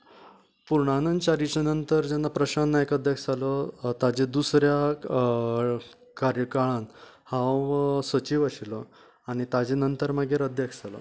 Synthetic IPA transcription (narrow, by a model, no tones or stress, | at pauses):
puɾɳanənt͡ɕaɾit͡ɕenənt̪əɾd͡ʑɛnːapɾəɕanːaekəd̪ʱjakd͡zalɔt̪ad͡ʑed̪usɾja | kaɾjəkaɭãn | hãsʋət͡ɕiːʋəɕilɔ | aɽ̃it̪ad͡ʑenənt̪əɾmaɡʱeɾəd̪ʱjakd͡zalə̰